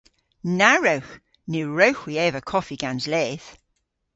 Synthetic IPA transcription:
naɹəwx | nɪɹəwxwiɛvəkʰɔfiɡ̥anzlɛθ

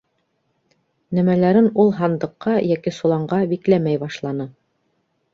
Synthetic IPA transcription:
næmælæɾɘnulˠɦɑnd̪ɤ̆qːɑjækisulˠɑɴɢɑbiklæmæjbɑʃlˠɑnɤ

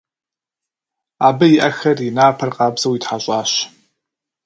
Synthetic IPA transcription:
aːbɐjiɪʔɐxɐrjɪnaːpʰɐrqɑːbz̥ɐwitħaɕʼɑːɕ

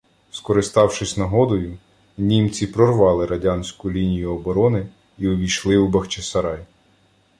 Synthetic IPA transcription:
skɔɾɪst̪ɑwʃɪsʲnɐɦɔd̪ɔjʊ | nʲimt͡sʲipɾɔrʋɑlˠɪɾɐdʲɑnʲsʲkʊlʲinʲijʊɔbɔɾɔnɪ | iɔʋʲijʃlˠɪubɐxt͡ʃesɐɾɑj

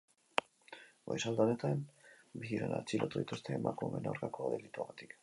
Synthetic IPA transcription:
ojsald̪ane̞t̪anbiɣiɾona̰t͡silat̪uð̞it̪ust̪e̞ːmʔakume̞na̰wɾkakoaðelit̪uaɣat̪i̥k

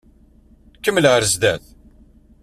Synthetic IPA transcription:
kəmːələəɾzd̪æθ

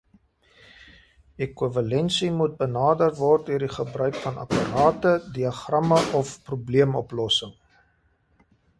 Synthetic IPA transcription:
ekuvɐlɛnsimut̚bənɑːdərvɔrt̚døərdiχəbrœɥkfɐnʔɐ̰pɐrɑːtədiɐχrɐməʔɔfprubliəmɔplɔsəŋ

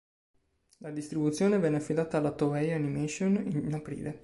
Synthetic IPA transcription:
lad̪ist̪ɾibut̪sːjoːnevɛnːeafːid̪aːt̪aːlːat̪oɛjanimeʃoninapɾḭːle

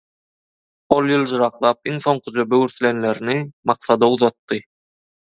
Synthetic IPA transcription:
olˠjɯlˠd͡ʒɯɾɑqlˠɑːp̚iŋθo̞ɴqʰud͡ʒøbøwyɾθlʲenleɾinimɑqθɑd̪ɑuðɑt̪ːɯ

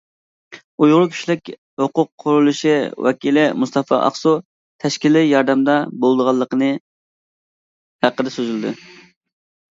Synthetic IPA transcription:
ujʁʊɾʊkʲʰi̥ʃlɪkʲ | hoqʊqʰːʊɾulˠuʃiwɛ̰kʲilɪmust̪ʰɑfɑ̰ʔɑ̰χsu | t̪ʰɛʃkʲilɪjɑɾd̪ɛmd̪ɑbolˠd̪əʁɑlˠːəqənɨ | hæqəd̪ɛsøzyld̪ɪ̰

